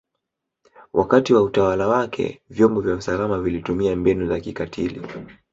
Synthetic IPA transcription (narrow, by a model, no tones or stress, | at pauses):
wʔakatiwautawalawakʰɛ̰vjɔmbɔvjausalamavilitumiambɛnuzakikatʰilḭ